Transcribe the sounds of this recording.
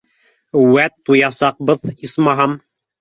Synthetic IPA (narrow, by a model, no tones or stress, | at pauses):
wæt̪ːujɑsɑq̚bɤðismɑɦɑm